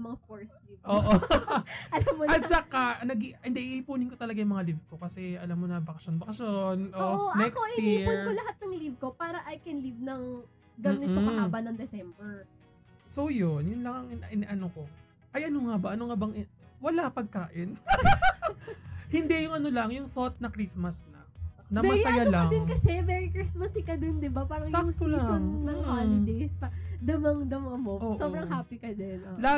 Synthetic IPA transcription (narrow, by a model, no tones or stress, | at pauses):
mɐŋafoɹslivʔoːʔo | ɐlamːot͡ʃɐkanɐɡiɪnd̪ɛʔiɪpuːnɪnkot̪ɐlɐɡajʊŋmɐŋalivko̞kɐsɛʔɐlamːonɐbɐkɐʃonbɐkɐʃjonʔoonɛkoʔɪɪiʊnɹolɐɦat̪̚nɐŋlivkopaːɾɐʔɐjkɛnlivnɐŋ | ɡɐnɪabɐnɐŋd̪ɛsɛmbɛɹ | so̞wjonjʊnlɐŋɐŋɪnʔɪnɛʔɐnoko̞ | ʔɐjʔɐnoŋabɐʔɐnoŋabɐŋʔɪwɐlapɐɡ̚kaːʔɪn | hɪnd̪ɛjʊŋɐno̞lɐŋjʊŋθot̪̚nɐkɾismɐsnɐnɐmɐsɐjalɐɐd̪ɪnŋkɐsɛvɛɹikɾismɐsɪkɐd̪ɪnd̪ɪbapaːɾɐŋsaolaɐnnɐŋhaɪd̪ejspd̪ɐmɐŋd̪ɐmɐmoʔoːʔsobɾɐŋɦaːpikɐd̪ɛnʔla